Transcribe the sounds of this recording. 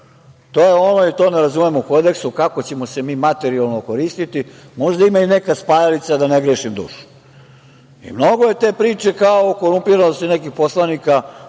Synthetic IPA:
t̪o̞ːjeo̞noit̪o̞ːneɾazumemouko̞d̪e̞ksukakot͡ɕe̞mo̞se̞miːmat̪e̞ɾialˠnoko̞ɾiːst̪it̪i | mo̞ʒd̪aimaine̞kaspajalit̪sad̪aneɡɾeːʃimd̪ṵːʃu̥ | ḭmno̞ɡoje̞t̪e̞ːpɾiːt͡ʃe̞kaoko̞ɾumpiɾanost̪inekixpo̞slanika

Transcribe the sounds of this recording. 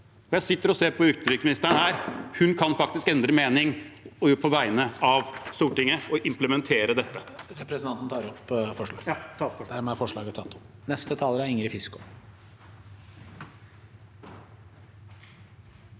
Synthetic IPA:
ɔjæɪsɪt̪ːəɾɔseːɾpʰɔʏkt̪əd̪ɾʏksmɪnɪst̪əɳhæːɾhʉnkʰɑnfɑk̚t̪ɪskɛnd̪ɾəmeːnɪŋɔjoːpʰɔʋæɪnəɑʋst̪uːʈɪŋːəɔʔɪmpləmɛnt̪ʰeːɾəd̪ɛt̪ːəɾɛpɾɛsnɑnt̪n̩t̪ʰɑːɾɔpːfɔʂɑ̰ɡ̪d̪æɾmɛæfɔʂɭɑ̰ːɡət̪ʰːɑ̰t̪ːnɛst̪ət̪ʰɑːləɾæɾɪŋɾɪfɪskʊ̥

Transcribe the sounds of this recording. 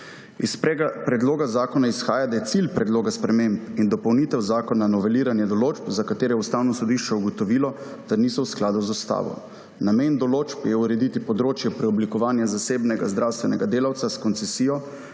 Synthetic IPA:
isɛpɾɛd̪loːɡazaːkɔnaisxaːjad̪ajɛt̪silpɾɛd̪loːɡaspɾɛmempind̪ɔpɔwnit̪ɛwzaːkɔnanɔʋɛliːɾanjɛd̪ɔloːt͡ʃpzakat̪eːɾɛjɛust̪awnɔsɔd̪iʃt͡ʃɛuɡɔt̪ɔʋiːlɔ | t̪anisɔwsklaːd̪uzɔst̪a̰ːʋɔ̰ | nameːnd̪ɔloːt͡ʃpjɛuɾɛd̪it̪ipɔd̪ɾoːt͡ʃjɛpɾɛɔblikɔʋaːnjazaseːbnɛɡa̰zd̪ɾawst̪ʋɛnɛɡad̪eːlawt̪saskɔnt̪sɛsiːjɔ

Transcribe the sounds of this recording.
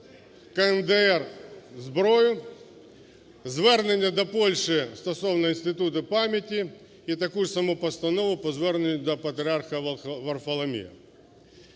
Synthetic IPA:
kɐɛnd̪ɛɛrzbɾɔjʊ | zʋɛrnenʲːɐd̪ɔpɔlʲʃɪst̪ɔsɔwnɔinst̪ɪt̪ut̪ɪpamʲjɐtʲi | it̪ɐkusɐmupɐst̪ɐnɔʋʊpɔzʋɛrnenʲːʊd̪ɔpɐt̪ɾʲɪarxɐʋɐrfɐlˠɐmʲḭ

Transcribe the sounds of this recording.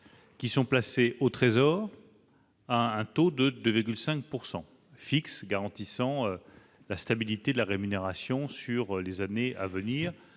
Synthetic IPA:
kʲisɔ̃plaseʔot̪χezɔːʁ | aɛ̃t̪od̪əd̪øviʁɡʲylsɛ̃k̚puʁsɑ̃ | fiksɡaʁɑ̃t̪isɑ̃ø | last̪abilit̪ed̪əlaʁemyneʁasjɔ̃syʁlezanea̰vəniːʁ

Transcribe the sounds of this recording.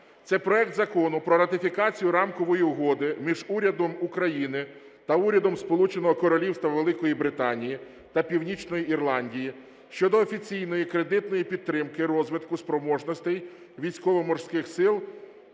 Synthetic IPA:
t̪sɛpɾɔɛk̚t̪zɐkɔnʊpɾɔɾɐt̪ɪfʲikɑt͡sʲijʊɾɑmkɔʋɔjiuɦɔd̪ɪmʲiʒuɾʲɐd̪ɔmukɾɐjinɪ | t̪ɐuɾʲɐd̪ɔmspɔlˠut͡ʃenɔɦɔkɔɾɔlʲiwst̪ʋɐʋelˠɪkɔjibɾɪt̪ɑnʲiji | t̪ɐpʲiwnʲit͡ʃnɔjiirlˠɑnʲdʲiji | ʃt͡ʃɔd̪ɔːfʲit͡sʲijnɔjikɾe̞d̪ɪt̪nɔjipʲid̪ɾɪmkɪɾɔzʋɪt̪kʊspɾɔmɔʒnɔsʲt̪ɛj | ʋʲijsʲkɔʋɔmɔrsʲkɪxsɪlˠ

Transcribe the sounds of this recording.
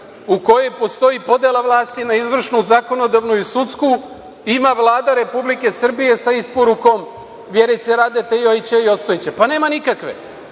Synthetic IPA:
uko̞jojpo̞st̪o̞jipo̞d̪elˠaʋlˠaːst̪inaizʋr̩ʃnuzako̞no̞d̪aʋnuisut̪sku | imaʋlˠaːd̪aɾe̞publike̞sr̩bije̞saispoɾuko̞m | ʋjeɾijt̪seɾad̪et̪ejojt͡ɕeio̞t̪st̪o̞jet͡ɕepane̞ːmanikakʋḛ

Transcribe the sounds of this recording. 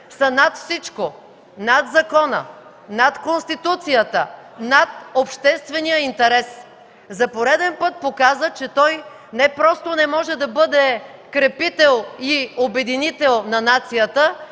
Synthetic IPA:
sɐnat̪fsit͡ʃko | nat̪zɐkɔnə̰ | nat̪konst̪it̪ut̪sijət̪ənat̪opʃt̪ɛst̪vɛnijəint̪ɛɾɛs | zɐpoɾɛd̪ɛnpɤt̪̚pokazət͡ʃɛt̪ɔj | nɛpɾɔst̪onɛmɔʒɛd̪ɐbɤd̪ɛ | kɾɛpit̪ɛlˠiobɛd̪init̪ɛlˠnɐnat̪sijət̪ə

